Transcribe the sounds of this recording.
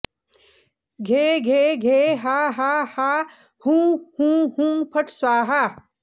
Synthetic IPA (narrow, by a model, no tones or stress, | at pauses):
ɡʱeːɡʱeːɡʱeːɦaɦahaː | hũːhũːhũːmpʰɐʈʰswaːɦa